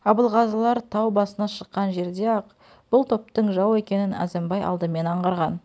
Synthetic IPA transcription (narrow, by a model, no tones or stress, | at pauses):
ɑbəlˠʁɑzəlˠɑɾt̪ʰɑwbɑsənɑʃəqːɑnʒe̞ɾd̪e̞ɑq | b̥ʊlˠt̪ʰo̞p̚t̪əɴʒɑwe̞kʲe̞nɪnæ̰zembɑjɑ̰lˠd̪əme̞nɑɴʁɑɾʁɑn